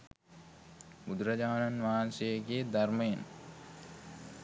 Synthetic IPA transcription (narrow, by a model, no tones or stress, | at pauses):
bud̪uɾɐd͡ʒaːnanʋaːnsejəɡeːd̪arməjen